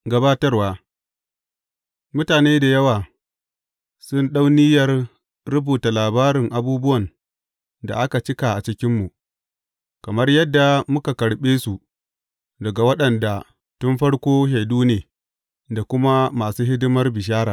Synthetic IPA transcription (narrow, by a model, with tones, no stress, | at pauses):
ɡɐ˦baː˦tɐ˦rwaː˨ | mʊ˦taː˨neː˦da˨jɐ˦waː˨ | sʊ˦nɗa˦wnɪ˦jɐ˦rː | ʊ˦buː˨ta˨laː˨baː˦ɾɪ˨ŋʔa˨buː˦bʊ˦wɐ˨n | da̰˨ʔa˦ka˨t͡ʃɪ˦ka˨ʔa˨t͡ʃɪ˦kʲɪ˦mːu˨ | kɐ˨mɐ˦rjɐ˦dːa˨mʊ˦ka˨kɐ˨ɽɓeː˦su˨ | dɐ˨ɡa˨wɐ˦ɗɐ˨nda˨ | tʊ˦mɸɐ˦ɽkʷoː˦ʃa˨jduː˦neː˨ | da˨kʷʊ˦ma˦maː˨suː˦ɦɪ˦dɪ˦mɐ˦rbɪ˨ʃ̬aː˦ɾaː˨